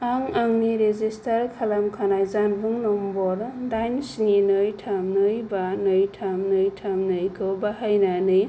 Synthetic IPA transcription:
aŋaŋniɾezistʰaɾkʰalamkʰanajzanbɯŋnɔmbɔɾdajnsninɯjtʰamnɯjbanɯjtʰamnɯjtʰamnɯjkʰɯwbahajnanɯj

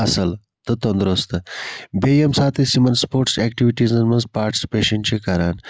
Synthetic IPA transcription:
ɐsɐl | t̪ɐt̪ond̪ɾost̪ɐbejemsaːt̪ʰesimɐnspoːɾʈsɛk̚ʈiʋiʈizɐnmɐnzpaːɾʈi̥si̥peːʃɐnt͡ʃʰekɐɾaːn

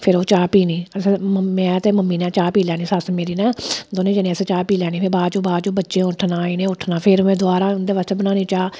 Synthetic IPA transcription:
pʰɪɾoːt͡ʃaːpiːniːəsməmɛ̃ːt̪eːməmːiːnɛ̃ːt͡ʃaːpiːlɛːɽ̃iːsəsmeːɾiːnɛ̃ːd̪oːnẽːd͡ʒənẽːəseːt͡ʃaːpiːlɛːñiːpʰɪɾbaːd͡ʒoːbaːd͡ʒoːbətːʃẽːʊʈʰnãːɪnẽːʊʈʰnaːpʰɪɾmɛ̃ːd̪oaːɾaːʊnd̪eːʋaːst̪eːbənaːniːt͡ʃaː

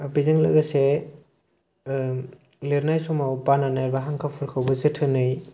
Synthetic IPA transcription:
bizɯŋlɯ̰ɡase | leɾnajsɔmawbananaɾbaɦaŋkʰapʰɯɾkʰawbɯzɯtʰɯnɯj

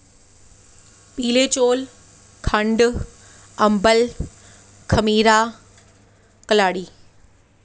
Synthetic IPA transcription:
piːlet͡ɕoːl | kʰə̃ɳɖ | ɐ̃mbəl | kʰɐmiːɾa | kɐlaːɽiː

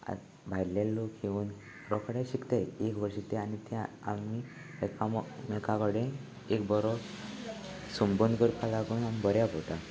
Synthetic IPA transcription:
a̰ | bʱajɾlelːokɦeuːn | ɾɔkʰɽẽɕikt̪eekʋəɾɕik̚t̪ɛ̃anit̪ɛ̃a̰mi | ekammekakɔɽẽ | ekbɔɾɔ | sumbənd̪kəɾpalakunamibəɾjapɔt̪ã

